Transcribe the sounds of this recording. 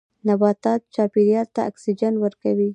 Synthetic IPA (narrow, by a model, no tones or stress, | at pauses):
nabɑt̪ɑt̪̚t͡ʃɑpiɾijɑɾt̪aa̰ksid͡ʒanwəɾkawi